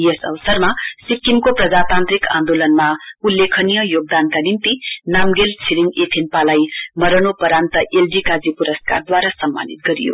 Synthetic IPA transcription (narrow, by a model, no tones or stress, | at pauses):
jesʌ̰ʋʌsʌrmasikːimkoprʌd͡zat̪ant̪rikãnd̪olʌnmaulːekʰʌnijʌjoɡ̚d̪ankanimt̪inamɡelt͡sʰiliŋɡep̪ʰenpalajmʌɾʌnopʌɾant̪ʌʔelɖikad͡zipuɾʌska̰rd̪waɾasʌmːa̰nit̪̚ɡʌɾḭjo̰